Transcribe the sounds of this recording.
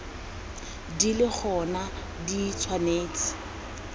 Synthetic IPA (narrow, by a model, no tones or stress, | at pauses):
dilɪk͡xʰɔna | dit͡sʰwaneːt͡sɪ̥